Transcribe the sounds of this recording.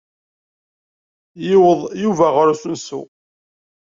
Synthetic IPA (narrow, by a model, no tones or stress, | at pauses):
jɪwəðˤjuvæʁəɾusunsṵ